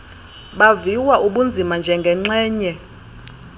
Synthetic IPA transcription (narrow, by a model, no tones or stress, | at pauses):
ɓaviwaʔuɓund͡zʱimand͡ʒʱɛŋɡʱɛŋ͡ǀɛːɲɛ